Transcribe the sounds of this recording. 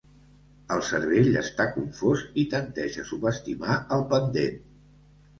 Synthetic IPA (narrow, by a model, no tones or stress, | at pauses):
əlˠsəɾβeʎə̰st̪akuɱfozit̪ənt̪ɛʒəsuβəst̪imaəlˠpənd̪ḛn